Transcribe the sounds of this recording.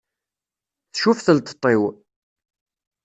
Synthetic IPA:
θʃufθəlt̪ə̥t̪ˤːew

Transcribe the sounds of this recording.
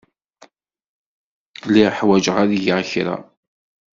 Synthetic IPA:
liħwæd͡ʒəʁaðijəʁçɾa̰

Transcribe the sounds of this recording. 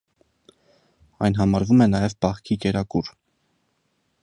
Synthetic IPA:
ɑ̰jnɦɑmɑɾvumɛnɑjɛvbɑχkʰikɛɾɑkuɾ

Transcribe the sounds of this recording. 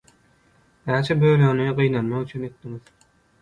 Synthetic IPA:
næːt͡ʃʰɛbølønyɢɯjnɑnmɑʁyt͡ʃʰynet̪̚d̪iŋið̥

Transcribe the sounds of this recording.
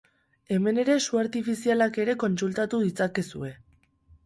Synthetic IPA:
e̞me̞ne̞ɾe̞suaɾt̪ifisialake̞ɾe̞ko̞nsult̪at̪uðit͡sake̞sṵe̞

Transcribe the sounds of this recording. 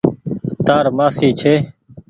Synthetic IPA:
t̪aːɾmaːsiːt͡ʃʰeː

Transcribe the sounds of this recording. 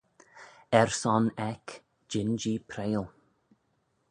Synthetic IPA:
ɛɹsɔnɛk | d͡ʒɪnd͡ʒiːpʰɾeːlˠ

